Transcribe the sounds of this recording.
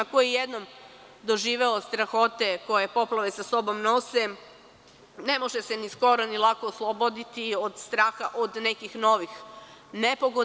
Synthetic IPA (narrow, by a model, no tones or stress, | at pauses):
akojejed̪nom | d̪oʒiːʋeost̪ɾaxo̞t̪e̞ko̞je̞po̞plˠaʋesaso̞bo̞mno̞se | ne̞mo̞ʒesenisko̞ɾo̞nilˠakoːslˠobod̪it̪iod̪st̪ɾaːxa̰ʔod̪ne̞kixno̞ʋixnepoɡo